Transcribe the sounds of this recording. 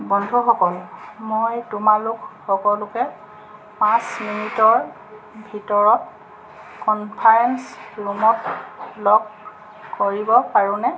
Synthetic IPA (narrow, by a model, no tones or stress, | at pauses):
bɔndʱuxɔkɔlmojtʊmalʊkxɔkɔlʊkɛ | pãsminitɔɹ | bʱitɔɹɔt | kɔnpʰajɛnsɹumɔtlɔkː | oɹibɔpaɹũnɛ